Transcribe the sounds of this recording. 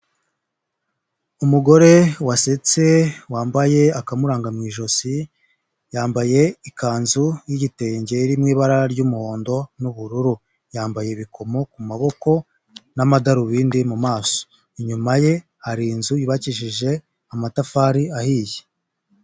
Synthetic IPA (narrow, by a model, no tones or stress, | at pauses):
umuɡo̞ɾe̞waset͡se̞waːmbaje̞akamuɾaːŋɡamŋiːʒo̞si | jaːmbaje̞ikaːnzujiɟite̞ɲɟe̞ɾimŋiːβaɾaɾɟumuho̞ːndo̞nuβuɾuɾu | jaːmbaje̞βikʰo̞mo̞kumaβo̞ko̞ | namadaɾuβiːndimumaːso̥ | iɲumaje̞ | haɾinzujiβaciʃiʒe̞ | amatafaːɾiahije